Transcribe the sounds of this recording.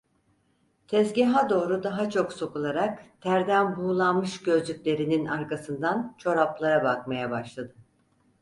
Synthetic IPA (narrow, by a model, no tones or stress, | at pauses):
t̪ʰɛzɟiɦad̪o̞ːɾud̪aɦat͡ʃʰo̞kso̞kulˠaɾakt̪ʰæɾd̪ænbuːlˠanmɯʃɟø̞zlʲycʲlʲe̞ɾininaɾkasɯnd̪ant͡ʃʰo̞ɾaplˠaɾabakmajabaʃlˠad̪ɯ